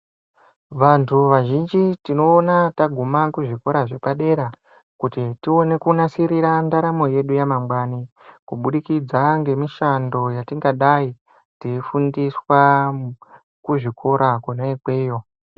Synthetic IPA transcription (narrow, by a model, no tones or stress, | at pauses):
ʋantʰuʋaʒind͡ʒitino̞ːnataɡʱumakuʐiko̞ɾaʐe̞paɗe̞ɾa | kutitio̞ne̞kunasiɾiɾandaɾamo̞je̞ɗujamamɡwani | kuɓuɗikid͡zaŋɡe̞miʃando̞jatiŋɡaɗai | tiifundiswa | kuʐikʰo̞ɾakoneikwe̞ːjo̞